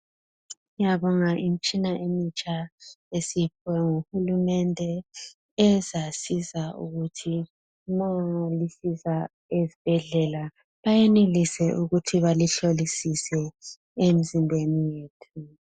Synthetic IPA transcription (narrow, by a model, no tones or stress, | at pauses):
jaβɔŋaʔim̩t͡ʃʼinaʔemit͡ʃʼaesip̚ʰwɛŋuxulumɛndʱɛ | ɛzasizaṵɣutʰi | mɔolisisa | ezib̥ʱɛɮɛla | βajɛnelisɛʔuɣutʰiβaliɬolisisɛ | em̩zimbʱenijeːtʰu